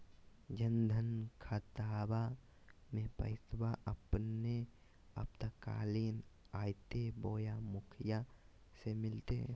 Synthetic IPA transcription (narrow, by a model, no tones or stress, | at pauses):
d͡ʒənd̪ʱənkʰat̪aːba | mẽpɐ̰ɪsbaʔɐpne | ɐ̰p̚t̪aka̰ːliːn | aːjt̪eboːjamʊkʰɪja | semɪlt̪e